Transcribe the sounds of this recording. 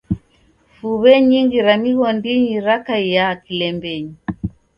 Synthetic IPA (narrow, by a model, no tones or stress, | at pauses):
fuβɛɲiŋɡiɾamiɣɔndiɲiɾakaijakilɛmbɛɲi